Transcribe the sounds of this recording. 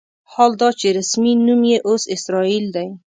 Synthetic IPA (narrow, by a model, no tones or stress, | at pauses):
hɒlˠd̪ɒt͡ʃʰiɾɪsminʊmjeʔozɪsɾɒild̪aj